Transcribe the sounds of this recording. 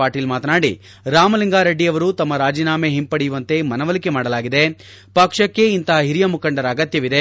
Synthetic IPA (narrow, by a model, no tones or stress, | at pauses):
aːɾʈiːlmaːt̪ɐnaːɽḭ | ɾaːmɐliŋɡaːɾɐɖːijɐʋɐɾuːt̪ɐmːɐɾaːd͡ʒiːnaːmeɦimpɐɽijuʋɐnt̪e̞mɐnɐʋɐlike̞maːɽɐlaːɡid̪e | pɐkʂɐkːe̞int̪ɐɦɐɦiɾijɐmukɐɳɖɐɾɐːɡɐt̪jɐʋid̪e